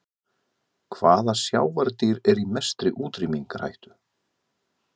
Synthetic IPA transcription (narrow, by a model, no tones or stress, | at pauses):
kʰvaːðasjaːwvaɾt̪iɾɛɾimɛst̪ɾɪʔuːt̪ɾimiŋkɾa̰jht̪ʏ̥